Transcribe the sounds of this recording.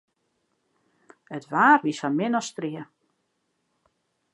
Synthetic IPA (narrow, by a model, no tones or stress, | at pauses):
ətʋaːrʋisanmɪnɔstriə